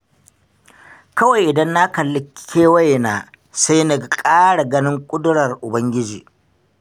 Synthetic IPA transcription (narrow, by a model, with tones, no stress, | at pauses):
kɐ˦wɐ˨jʔɪ˨dɐ˦nːa˦kɐ˨lːɪ˨˦kkʰʲːeː˦wɐ˦jnaː˨ | sa˦jnɐ˦˨kʼaː˦ɽa˨ɡɐ˦nɪ˦ŋkʷʼʊ˦dʊ˦ɽɐ˨rʔʊ˨bɐ˦ŋɡʲɪ˦d͡ʒḭː˨